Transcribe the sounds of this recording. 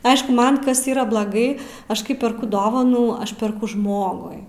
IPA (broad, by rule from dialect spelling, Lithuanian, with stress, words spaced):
ˈɐɪʃkʊ ˈmɐn ˈkɐs ˈiːrɐ blˠɐˈɡɐɪ ˈɐʃ ˈkɐɪ pʲɛrˈkʊ ˈdoːʋɐnuː ˈɐʃ pʲɛrˈkʊ ˈʒmoːɡʊɪ